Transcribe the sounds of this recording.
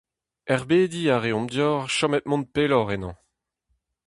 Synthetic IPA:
ɛʁbeːd̪iaʁeɔ̃md̪jɔːʁʃɔmɛt̪̚mɔ̃n̚pelɔʁɛnɑ̃

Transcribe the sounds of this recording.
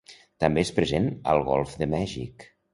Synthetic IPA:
t̪əmbespɾəzenə̰lˠɣɔ̰lˠfðəmɛʒḭk

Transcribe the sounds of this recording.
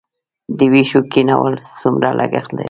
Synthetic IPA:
d̪əwiʃokinawəlsumɾalʔaɡaxld̪a

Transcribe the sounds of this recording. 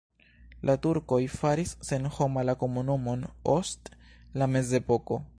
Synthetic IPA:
lʔatuɾko̞jfaɾisːe̞nho̞malako̞munumo̞no̞stlame̞ze̞po̞ko̞

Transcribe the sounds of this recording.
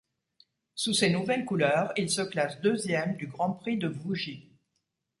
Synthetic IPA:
susenuvɛlkulœːʁilsəklasd̪øzjɛmd̪yɡʁɑ̃pχid̪əvuʒi

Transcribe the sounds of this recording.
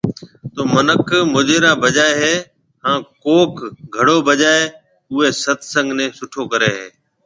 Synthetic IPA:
t̪oːmənəkʰmʊːd͡ʒeːɾãːbəʄaːeɦeː | hãːkoːkɡʱəɽoːbəʄaːeː | ʊɦeːsət̪ʰsə̃ŋɡʱnẽːsʊʈʰoːkəɾeːɦḛː

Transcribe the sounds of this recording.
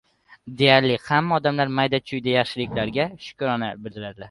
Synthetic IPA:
d̪e̞jaɾlɪhamːaɒd̪amlaɾmajd̪at͡ʃʰʊjd̪ajɑχʃɪlɪkʲlaɾɡʲaʃʊ̥kʲʰʊɾɒnabɪld̪ɪɾad̪laɾ

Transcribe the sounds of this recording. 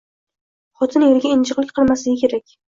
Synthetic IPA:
χɒt̪ʰɪneɾɡʲaɪnt͡ʃɨqlɪkʲqʰɨlˠmaslɪɡʲɪkʲʰe̞ɾakʲ

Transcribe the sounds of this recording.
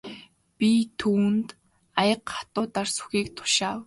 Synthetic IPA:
pʲit̪ʰuːnt̪ | ajə̆qχḁt̪ʊːt̪arsu̥xiːkt̪ʰʊ̥ʃaːw

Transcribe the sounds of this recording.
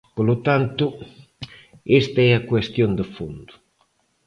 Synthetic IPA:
pəlut̪ant̪ʊ | est̪aɛakwest̪jond̪əfond̪u

